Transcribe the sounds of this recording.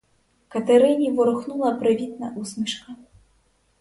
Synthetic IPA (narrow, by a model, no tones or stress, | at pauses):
kɐt̪ɛɾɨnʲivuɾɨxnulˠɐpɾɨvʲit̪̚nɐʔusmɨʂkɐ